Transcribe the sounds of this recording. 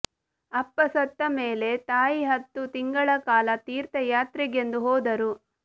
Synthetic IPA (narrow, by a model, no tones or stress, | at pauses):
ɐpːɐsɐt̪ːɐmeːle̞t̪aːjiɦɐt̪ːut̪iŋɡɐɭɐkaːlɐt̪iːɾt̪ɐjaːt̪ɾiɡe̞nd̪uɦɔːd̪ɐɾu